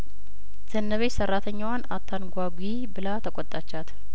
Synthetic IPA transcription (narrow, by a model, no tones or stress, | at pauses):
z̥ənːəβesərːat̪ʰəɲːawanat̪ʰːanɡʷaɡʷi | bɨlat̪ʰəkʼɔt̪ʼːat͡ʃːat̪